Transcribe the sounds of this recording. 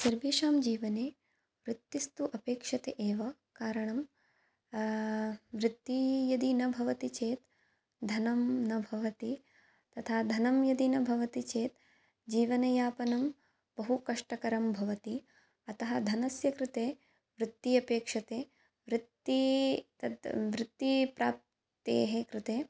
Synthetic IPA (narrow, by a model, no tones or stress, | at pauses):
sɐɾʋiːʂaːmd͡ʒiːʋɐneː | ʋɾɪt̪ːist̪uʔɐpeːkʂɐt̪eʔeːʋɐ | kaːɾɐɳɐm | ʋɾɪt̪ːijɐd̪inɐbʱɐʋɐt̪it͡ʃeːt̪ | d̪ʱɐnɐmnɐbʱɐʋɐt̪i | t̪ɐt̪ʰaːd̪ʱɐnɐmjɐd̪inɐbʱɐʋɐt̪it͡ʃeːt̪ | d͡ʒiːʋɐnɐjaːpɐnɐm | b̥ɐɦukɐʂʈɐkɐɾɐmbʱɐʋɐt̪i | ɐt̪ɐɦɐd̪ʱɐnɐsjɐkɾɪt̪eː | ʋɾɪt̪ːiɐpeːkʂɐt̪eː | ʋɾɪt̪ːit̪ɐʋɾɪt̪ːipɾaːp̚ | t̪ḛːɦekɾɪt̪eː